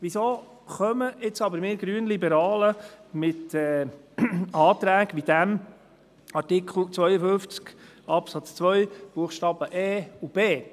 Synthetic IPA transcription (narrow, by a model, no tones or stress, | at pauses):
ʋisoː | χœməɪt͡sɑbəɾmɪːɾɡɾyːənlibɛɾɑːləmɪt̪ɛː | ɑːt̪ɾæːɡʋid̪æm | ɑɾtɪkχl̩t͡sʋœjəfʏnft͡sk | ɑpsɑt͡st͡sʋœʏb̥uəχʃtɑːb̥əʔɛːub̥eː